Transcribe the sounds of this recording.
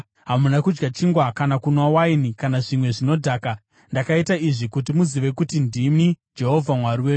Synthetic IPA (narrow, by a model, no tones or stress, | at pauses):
ɦamunakud͡ʒɡat͡ʃiŋɡwakanakunwawainikanaʐimwe̞ʐino̞dʱaːka | ndakaitaiʐikut̬imuziʋe̞kutindimi | d͡ʒe̞ɦo̞vʱamwaɾiweɲu